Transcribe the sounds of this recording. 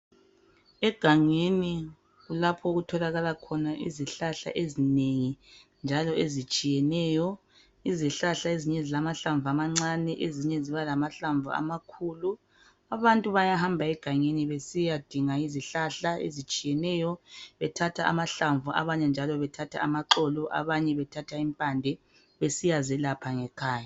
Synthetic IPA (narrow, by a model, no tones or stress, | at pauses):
ɛɡ̥ʱaŋeni | ɣulapʰɔoɣutʰɔlaɣalakʰɔnaʔḭziɬaɬa̰ʔezineŋind͡ʒʱalɔezit͡ʃʼijɛnɛːjɔ | iziɬaɬaeziɲɛzilamaɬaɱvamaŋ͡ǀanɛʔeziɲɛziβalamaɬaɱvṵa̰makʰuːlu | aβantʼuβajahambʱaɛɡ̥ʱaŋeniβesijad̥ʱiŋaiziɬaɬaḛzit͡ʃʼijɛnɛːjɔβɛtʰatʰaa̰maɬaɱvuʔa̰βaɲɛnd͡ʒʱalɔβɛtʰatʰa̰amaǃɔlɔʔa̰βaɲɛβɛtʰatʰaimpʼandʱɛ | βesijazɛlapʰaŋɛkʰaːja